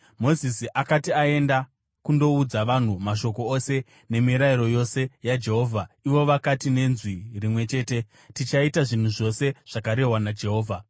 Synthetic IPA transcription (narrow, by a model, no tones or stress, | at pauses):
mo̞zisiʔakatiae̞nda | kundo̞ud͡zaʋan̤umaʃo̞ko̞ose̞ | ne̞miɾaiɾo̞jo̞se̞jad͡ʒe̞ɦo̞ːvʱaiʋo̞ʋakatine̞nzwirimwe̞t͡ʃe̞ːte̞ | tit͡ʃaitaʐin̤uʐo̞se̞ʐ̥akaɾe̞ɦwanad͡ʒe̞ɦo̞ːvʱa